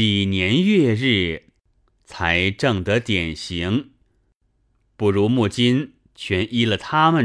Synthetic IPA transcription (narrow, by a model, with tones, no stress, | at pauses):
i˨˩njɛ˧˥njɥɛ˥˧ɻɻ̩˥˩ | t͡sʰa˧˥ɪʈ͡ʂɤ˥˩ŋt̪ɤ˧˥t̪jɛ˨˩nɕi˧˥ŋ | pu˥˩ɻu˧˥mu˥˩t͡ɕi˥n | t͡ɕʰɥɛ˧˥nʔi˥lə˨t̪ʰa˥mə˨n